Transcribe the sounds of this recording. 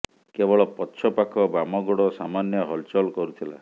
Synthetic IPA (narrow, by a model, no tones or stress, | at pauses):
kebɔɭɔpɔtːʃʰɔpakʰɔbamɔɡɔɽɔsamanjɔɦɔlt͡ʃɔlkɔɾut̪ʰila̰